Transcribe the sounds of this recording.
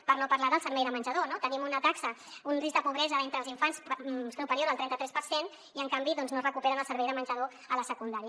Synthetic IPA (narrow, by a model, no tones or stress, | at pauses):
pəɾnopəɾlaðəlˠsəɾβɛjðəmənʲʒəðonot̪ənimunət̪aksə | unriz̚d̪əpuβɾɛzəent̪ɾəlˠziɱfanssupəɾioɾalˠt̪ɾɛnt̪ət̪ɾɛspəɾsen | iəŋkambiðɔnznosrəkupɛɾənəlˠsəɾβɛjðəmənʲʒəðo | ələsəkund̪aɾiə